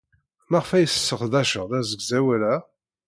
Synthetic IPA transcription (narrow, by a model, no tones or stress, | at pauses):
mæʁfæjsə̥sːəχðæʃəʁðæzəɡzæwælæ